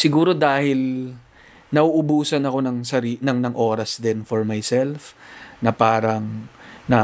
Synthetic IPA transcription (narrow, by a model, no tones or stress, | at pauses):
sɪɡuːɾo̞d̪aːhɪl | nɐʔuʔʊbuːsɐnɐko̞nɐŋsɐɾiːnɐŋnɐŋʔoːɾɐsd̪ɪnfɔɹmajsɛlfnɐpaːɾɐŋnɐ